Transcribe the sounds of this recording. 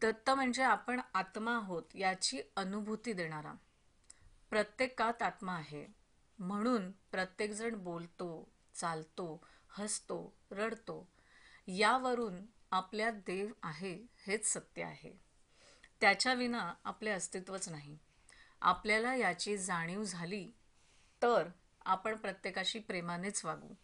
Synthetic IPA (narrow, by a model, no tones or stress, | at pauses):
d̪ət̪ːəm̤əɳd͡zeapəɳat̪maːɦot̪jat͡ɕiːənubʱut̪iːd̪eɽ̃aɾa̰ | pɾət̪jekat̪at̪maːɦe | m̤əɽ̃uːnpɾət̪jekd͡zəɳbolt̪o | t͡salt̪o | həst̪oɾəɽt̪o | jaʋəɾuːnapljad̪eʋaɦehet͡ssət̪jə̰a̰ɦḛ | t̪jat͡ɕjaʋinaa̰pleəst̪it̪ʋət͡snaɦi | a̰pljalajat͡ɕiːd͡zaɽ̃iwd͡zʱaliː | t̪əɾ | a̰pəɳpɾət̪jekaɕiːpɾemanet͡sʋaɡṵː